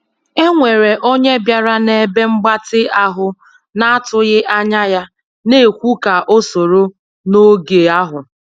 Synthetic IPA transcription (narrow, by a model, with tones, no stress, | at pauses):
e˦ŋʷe˨ɾe˨ʔo˦ɲe˦bja˨ɾa˦ne˨be˦ŋ͡m̩˦ɡ͡ba˦tɪ˦a˦ɦʊ˨ | na˦a˦tʊ˦ɣɪ˦ʔa˦ɲa˦ja˦ | ne˦e˨kʷu˦ka˨ʔo˦so˨ɾo˦ | no˦ɡe˨a˦ɦʊ˨